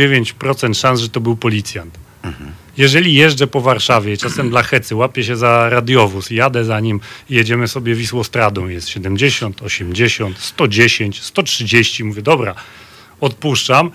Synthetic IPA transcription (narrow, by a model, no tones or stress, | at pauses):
evʲjeɲt͡ɕpɾɔt̪sɛnt̪ʂãnsʐɛt̪ɔbɘwpɔlʲit̪sʲjant̪ | jɛʐɛlʲijɛʐd͡ʐɛpɔvaɾʂavʲjɛt͡ʂasɛmd̪laxɛt̪sɘwapʲjɛɕɛzaɾad̪ʲjɔvusjad̪ɛzaɲimijɛd͡ʑɛmɘsɔbʲjɛvʲiswɔst̪ɾad̪ɔ̃w̃jɛst̪ɕɛd̪ɛmd͡ʑeɕɔnt̪ɔɕɛmd͡ʑeɕɔnt̪st̪ɔd͡ʑeɕeɲt͡ɕst̪ɔtʂɘd͡ʑeɕt͡ɕimuvʲjɛd̪ɔbɾa | ɔt̪̚puʂt͡ʂam